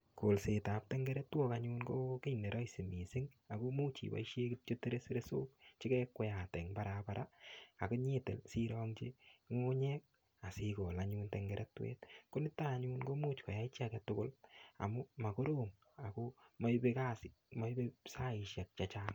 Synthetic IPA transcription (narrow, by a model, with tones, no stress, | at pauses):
ko˨lse˨ta˨p̚tɛŋɡɛ˦ɾɛtːwo˦kaɲunko˦ke˦jne˨ɾɔ˦ise˨mi˨sɪ˦ŋa˨ko˦mu˦t͡ʃḭ˨ba̰˦iʃje˦kit͡ʃo˦te˦ɾe˦se˦ɾeso˦k̚t͡ʃi˦kɛkwɔ˦ja˨tɛ˨ŋpa˦ɾapaɾʔa˦a˨ko˦ɲe˦te˨lsi˦ɾɔː˦ŋt͡ʃe˦ŋo˦ɲɛ˦k̚ | a˨sikɔ˨la˦ɲu˧ntɛŋɡɛɾʔɛtwḛ˦tko˦nɪ˦ta˦˨ɲu˦nko˦mu˦t͡ʃko˨ja˦it͡ʃakɛtʊ˦kʊ˦la̰˨mʊ˦ma˨ko˦ɾo˦ŋ | a˨koma˦be˦ka˦sɪma˦ibe˦sa˦i˨ʃja˨k̚t͡ʃat͡ʃa˦ŋ